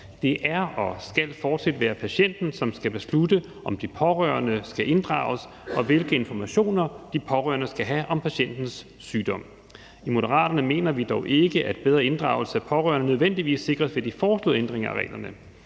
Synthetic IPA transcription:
d̥e̝ʔæɐɒ̽sɡ̥ælfɒːd̥sæd̥ʋæːɐpʰæɕen̰d̥n̩sɒ̽msɡ̥æb̥e̝sludə | ʔɒ̽md̥ipʰɒ̽ʁœ̰ːɐnəsɡ̥æʔe̝nd̥ʁɑ̰̈ːʊs | ɒ̽ʋe̝lɡ̥əe̝nfɒmæɕo̝̰ːnɐd̥ipʰɒ̽ʁœ̰ːɐnəsɡ̥æɦæʔɒ̽mpʰæɕen̰d̥n̩sː | yːd̥ɒ̽m̰ | imo̝d̥ɐʁɑ̰̈ːd̥ɐnəme̝̰ːnɐʋid̥ɒʊʔe̝ɡ̥əʔæd̥̚b̥eð̞ˠʁɐe̝nd̥ʁɑ̈ʊlsəæpʰɒ̽ʁœ̰ːɐnənøð̞ˠʋen̰d̥iʋḭːsːe̝ɡ̥ʁɐsʋe̝d̥ifɒːslo̰ðˠend̥ʁeŋɐæʁɛ̰ːlɐnə

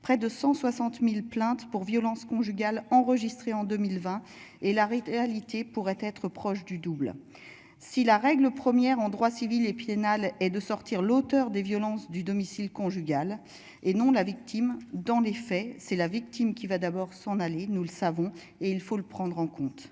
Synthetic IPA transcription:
pχɛd̪əsɑ̃swasɑ̃t̪milplɛ̃t̪puʁvjɔlɑ̃skɔ̃ʒyɡʲalɑ̃ʁəʒist̪χeɑ̃d̪əmilvɛ̃ | elaʁeealit̪epuʁɛt̪ɛt̪χəpχɔʃd̪yd̪ubl | silaʁɛɡləpχəmjɛʁɑ̃d̪ʁwasivilepjenalɛd̪əsɔʁt̪iʁlot̪œʁd̪evjɔlɑ̃sd̪yd̪ɔmisilkɔ̃ʒyɡʲal | enɔ̃lavik̚t̪ʰimd̪ɑ̃lefɛsɛlavik̚t̪imkʲivad̪abɔʁsɑ̃nalenuləsavɔ̃ | eilfoləpχɑ̃d̪ʁɑ̃kɔ̃t̪

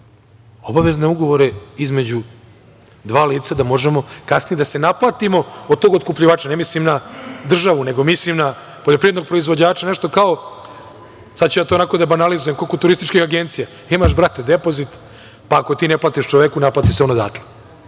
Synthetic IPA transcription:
obaʋe̞zneuɡo̞ʋo̞ɾe̞izme̞d͡ʑu | d̪ʋaːliːt̪sad̪amo̞ʒemo̞kasnijed̪ase̞naplˠaːt̪imo̞od̪̚t̪oɡokupʎiʋaːt͡ʃanemislimnad̪r̩ʒaʋune̞ɡo̞mislimna | poʎopɾied̪noɡ̚pɾoizʋod͡ʑaːt͡ʃaneʃt̪o̞kao̞ | sad̪̚t͡ɕujat̪oːnako̞d̪abanalizujemkokot̪uɾist̪it͡ʃkixaɡent̪sija | imaʃbɾat̪ed̪epo̞zit̪ | paːko̞t̪iːneplˠaːt̪iʃt͡ʃoʋekunaplˠaːt̪iʃseonod̪a̰ːt̪le̥

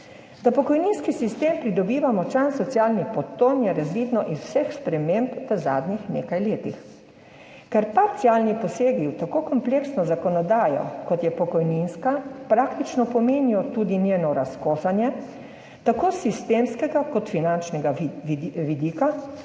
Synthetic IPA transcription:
d̪apɔkɔjninskisist̪eːmpɾid̪ɔbiːʋamɔt͡ʃansɔt̪sjaːlnipɔt̪onjɛɾazʋiːd̪nɔʔizwsɛxspɾɛmempʋəza̰ːd̪nixnḛːkajleːt̪ḭx | kɛɾpaɾt̪siaːlnipɔseːɡiwt̪akokɔmpleːksnɔzakɔnɔd̪aːjɔ̰kɔt̪jɛpɔkɔjninskapɾaːkt̪it͡ʃnɔpɔmeːniɔt̪ud̪inʲjeːnɔɾaskoːxanjɛ | t̪akoːsist̪emskɛɡakɔt̪finant͡ʃnɛɡa | ʋid̪iːka

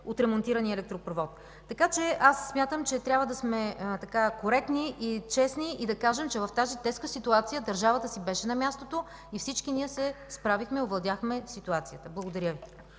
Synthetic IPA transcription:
ot̪ɾɛmont̪iɾɐniəɛlɛk̚t̪ɾopɾovɔt̪ː | ɐkat͡ʃɛasːmʲjat̪əmt͡ʃɛt̪ɾʲabvəd̪ɐsmɛt̪ɐkakoɾɛkniʔit͡ʃɛsniʔid̪ɐkaʒɛmt͡ʃɛvɐft̪azit̪ɛskəsit̪uat̪sijəd̪ɐɾʒavət̪əsibɛʃɛnɐmʲjast̪ot̪o | ifsit͡ʃkiniɛsɛspɾavixmɛiovlˠɐd̪ʲjaxmɛsit̪uat̪sijət̪əblˠɐɡod̪ɐɾʲjəvi

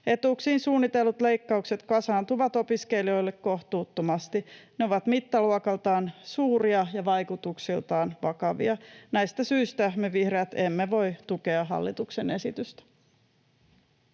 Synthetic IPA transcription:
e̞t̪uksiːnsuːnːit̪e̞lːut̪le̞jkːɑukse̞t̪kɑsɑːnt̪uʋɑt̪o̞piske̞lio̞ilːekko̞ht̪uːt̪ːomɑst̪ineo̞ʋɑt̪mit̪ːɑluɔkɑlt̪ɑːnsuːɾiɑjɑʋɑjkut̪uksilt̪ɑːnʋɑkɑʋḭɑnæjst̪æsyist̪æmeʋihreæt̪e̞mːeʋo̞jt̪uke̞ɑɦɑ̰lːḭt̪ukse̞ne̞̰sit̪yst̪æ̥

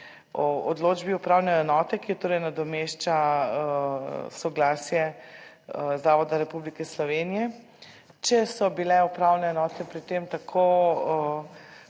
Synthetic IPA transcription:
ɔod̪loːd͡ʒbiupɾawnɛjɛnɔːt̪ɛkijɔt̪oːɾɛjnad̪ɔmeʃt͡ʃa | sɔɡlaːsjɛ | zaːʋɔd̪aɾɛpublikɛslɔʋeːnijɛ | t͡ʃɛsɔbilɛupɾawnɛːnɔːt̪ɛpɾit̪emt̪akʰo

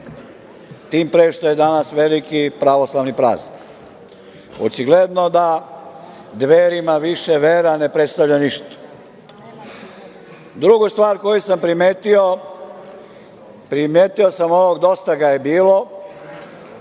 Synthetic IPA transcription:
t̪iːmpɾeːʃt̪oje̞d̪anasʋelikipɾaʋo̞slˠaʋnipɾa̰ːznik | o̰t͡ʃiɡled̪no̞d̪a | d̪ʋeːɾimaʋiʃeʋeɾane̞pɾet̪st̪aʋʎaniʃt̪ḁ | d̪ɾuɡost̪ʋaːɾko̞jusampɾimeːt̪io | pɾimjeːt̪iosamoʋoɡd̪o̞st̪aɡaje̞biːlo̞

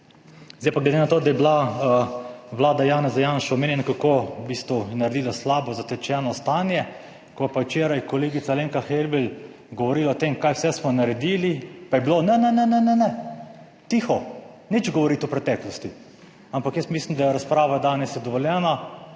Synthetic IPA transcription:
zejpaɡled̪enat̪oːd̪ajɛbla | ʋlaːd̪ajaːnɛzajanʃaɔmeːnjɛnakakobiːst̪ʋujɛnaɾɛd̪iːlaslaːbɔzat̪ɛt͡ʃɛːnɔst̪anjɛ | kɔjɛpawt͡ʃeːɾajkɔleːɡit̪saleːŋkaxelbɛl | ɡɔʋɔɾiːlaːt̪emkaːjwsɛsmɔnaɾɛd̪iːlipajɛbilonɛnɛnɛnɛnɛnɛ | t̪ixɔ | nit͡ʃɡɔʋɔɾit̪ɔpɾɛt̪ɛːklɔst̪i | ampakjəst̪mislimd̪ajɛɾaspɾaːʋad̪aːnɛsjɛd̪ɔʋɔljɛːna

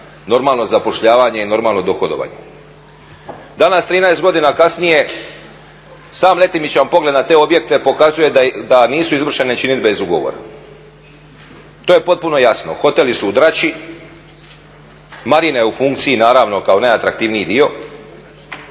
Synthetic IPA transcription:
no̞ɾmaːlˠno̞zapo̞ʃʎaːʋaɲe̞ino̞ɾmaːlˠno̞d̪o̞xod̪o̞̰ʋa̰ɲe̞̰ | d̪anast̪ɾiːnajst̪ɡo̞d̪inakasnije̞ | saːmle̞t̪imit͡ɕampo̞ɡle̞d̪nat̪e̞ːo̞bje̞k̚t̪e̞po̞kazuje̞d̪aniːsuizʋr̩ʃe̞net͡ʃinit̪be̞zuɡo̞̰ʋo̰ɾa̰ | t̪oje̞po̞t̪̚puno̞jasno̰xo̞t̪e̞lisuud̪ɾat͡ʃi | maɾinejufuŋk̚t̪siinaːɾaʋno̞kao̞naat̪ɾak̚t̪iːʋniid̪io̞

